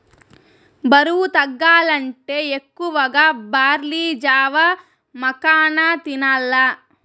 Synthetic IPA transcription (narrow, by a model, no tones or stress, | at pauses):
bɐɾuwut̪ɐɡːaːlɐɳʈeːekːuʋɐɡaːbaːɾliːd͡ʒaːʋɐ | mɐkaːnat̪inaːlːa